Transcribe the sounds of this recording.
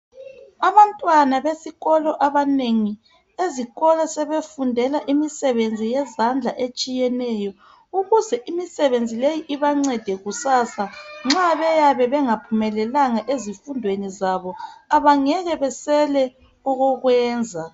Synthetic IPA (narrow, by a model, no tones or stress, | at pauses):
aβantʼwanaβesiɣɔlɔʔaβaneŋi | eziɣɔlasɛβefundʱɛlaʔimisɛβend͡zʱijɛzand͡ɮʱaʔet͡ʃʼijɛnɛjɔ | uɣuzɛʔimisɛβend͡zʱilejiʔiβaŋ͡ǀɛd̥ʱɛɣusaːsaŋ͡ǁaβɛjaβɛβɛŋapʰumɛlɛlaŋaʔezifundʱwenizaβɔaβaŋɛɣɛβɛsɛlɛ | uɣuɣwɛːnd͡zʱa